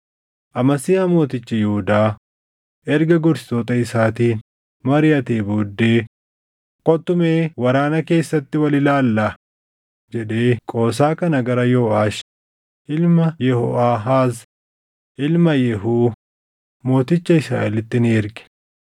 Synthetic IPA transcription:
ʔɐmɐsɪjaːmo̞ːt̪ɪt͡ʃːɐjɛhʊd̪aː | ʔɛɾɡɐɡʊɾsɪ̥t̪oːt̪ɐɪsaːt̪iːn | mɐɾɪjɐt̪eːboːd̪ːeː | kʼɔt̪ːʊmeːwɐɾaːnɐke̞ːsːɐt̪ːɪwɐlɪlaːlːɐ | d͡ʒɛᶑ̪e̞ːkʼo̞ːs̬aːkɐnɐɡɐɾɐjoːʔaːʃ | ʔɪlmɐjɛhɔʔaːɦaːz | ʔɪlmɐjɛɦuː | mo̞ːt̪ɪt͡ʃːɐɪsɾa̰ːʔɛlɪt̪ːɪneːɾɡɛ̥

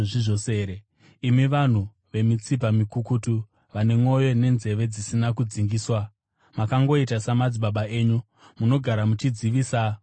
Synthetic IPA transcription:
ʐiʐose̞ɾe | imiʋan̤u | ʋe̞mit͡sip̬amikukutu | ʋane̞mo̞jo̞ne̞nze̞ʋe̞d͡zisinakud͡ziŋɡiːswa | makaŋɡo̞itasamad͡ziɓaɓae̞ːɲu | muno̞ɡʱaɾamut͡ʃid͡ziʋiːsa

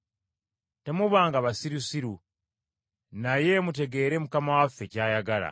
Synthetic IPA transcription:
te̞muβaːŋɡaβasiɾusiɾu | naje̞mut̬e̞ɡe̞ːɾe̞mukamawafːe̞caːjaɡala̰

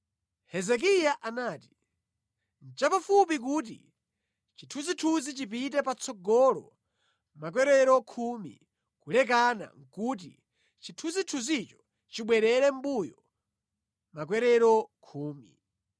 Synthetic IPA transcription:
hɛzɛk̬ijaʔanaːti̥ | n̩t͡ʃapafup̬ik̬uːt̬ḭ | t͡ʃitʰuzitʰuzit͡ʃip̬it̬ɛpat͡sʰɔɡɔlɔ̰ | mak̬wɛɾɛɾɔkʰumḭ | kulɛk̬ana̰ŋ̩kut̬ḭ | t͡ʃitʰuzitʰuzit͡ʃɔ̥ | t͡ʃiɓwɛɾɛɾɛm̩bujɔ | mak̬wɛɾɛɾɔkʰuːmi

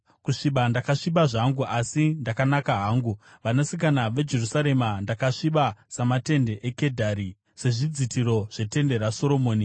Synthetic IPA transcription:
kuʂiɓandakaʂiɓaʐaŋɡuʔasindakanakaɦaːŋɡuʋanasik̬anaʋe̞d͡ʒe̞rusaɾe̞mandakaʂiɓasamate̞nde̞ʔeke̞dʱaɾi | se̞ʐid͡zitʰiɾo̞ʐ̥e̞te̞nde̞ɾaso̞ɾo̞moːni

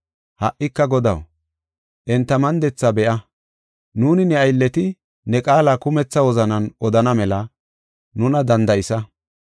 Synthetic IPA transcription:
hɐʔːɪkːɐɡɔd̪ɐ̰w | ʔɛnt̪ːɐmɐnd̪ɛt͡sːɐbɛʔɐ | nuːnɪnɛɐjlːɛt̪ɪ | nɛkʼaːlakʊmɛt͡sːɐwɔzɐnɐnʔɔd̪ɐnɐmɛlɐ | nʊnɐd̪ɐnd̪ɐjɪsɐ

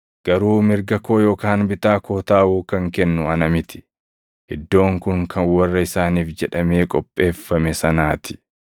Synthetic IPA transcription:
ɡ̥ɐɾuːmɪɾɡɐko̞ːjo̞ːkaːnbɪt̪aːkoːt̪aːʔuːkɐŋkɛnːʊɐnɐmɪt̪ɪ̥ | ʔɪd̪ːo̞ːŋkʊŋkʰɐnwɐrːɐɪsaːniːfd͡ʒɛᶑɐme̞ːkʼɔpʼːe̞ːfːɐmɛsɐnaːt̪ɪ̥

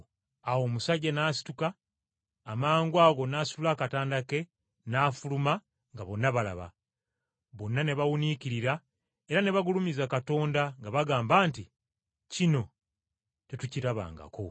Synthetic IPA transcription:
awo̞ːmusaɟːanaːsi̥tukaː | maːŋɡwaɣo̞naːsululakataːndake̞ | naːfuluma | ŋɡaβo̞nːaβala̰βa̰ | βo̞nːane̞βawuniciɾiɾa | e̞ɾane̞βaɡulumizakato̞ːndaŋɡaβaɡaːmbaːnti | cino̞ | te̞tuciɾaβa̰ːŋɡa̰ko̞

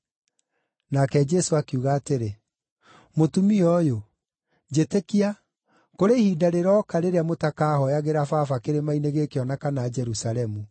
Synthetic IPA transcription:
nakɛd͡ʒɛsoakeuɣaːteɾe | motumiɔjo | d͡ʒetekia | koɾehiːdaɾeɾɔkaɾeɾeamotakaːhɔjaɣeɾafafakeɾemaineɣekeɔnakanad͡ʒɛɾusaɾɛmu

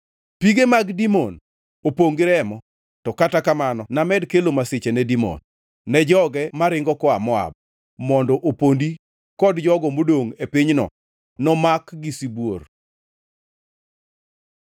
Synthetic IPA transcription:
piɡemaɡdimɔ̰n | opoŋɡɾɛmɔ | tɔkatakamanɔnamɛdkelomasɪt͡ʃenɛdimɔ̰nː | ɛd͡ʒɔɡɛmaɾɪŋɡɔkɔamɔa̰b̚ | mɔndɔʔopondi | kɔdd͡ʒɔɡɔmodoŋepiɲnɔ̰ | nɔmakɡisibwor

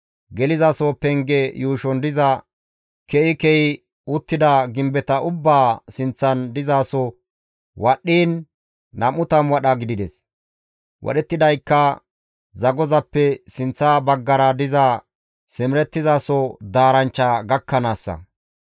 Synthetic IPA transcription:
ɡɛlɪzaːsɔpɛŋɡɛjuːʃɔnd̪ɪzɐ | kɛɪkɛɪ | ʊt̪ːɪd̪ɐɡɪmbɛt̪ɐʊbːaːsɪnt͡sːɐnd̪ɪzaːsɔ | wɐɗːiːnː | ɐmʊt̪ɐmwɐɗɐɡɪd̪ɪd̪ɛs | wʔɔ̰ɗɛt̪ːɪd̪ɐjkːɐ | zɐɡɔzɐpːɛsɪnt͡sːabɐɡːɐɾɐd̪ɪzɐ | sɪmɪɾɛt̪ːɪzaːsɔd̪aːɾɐnt͡ʃːɐɡɐkːɐnaːsːɐ̰

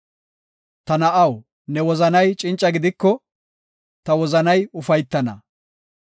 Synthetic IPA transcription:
t̪ɐnɐʔɐw | nɛwɔzɐnɐjt͡ʃʼɪnt͡ʃʼːɐɡɪd̪ɪkːɔ | t̪ɐwɔzɐnɐjʊfɐjt̪ːɐnɐ̰

